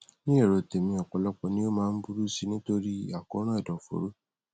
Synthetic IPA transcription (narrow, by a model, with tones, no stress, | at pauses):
nĩ˦e˦˨ɾo˨te˨mĩ˧ɔ˨k͡pɔ˨lɔ˦k͡pɔ˧nĩ˦o˦mãː˦n̩˦bu˦ɾu˦si˧nĩ˦to˧ɾi˦a˨kɔ̃˧˦ɾ̃ũ˦a˦˨dɔ˨fo̰˨˦ɾo˦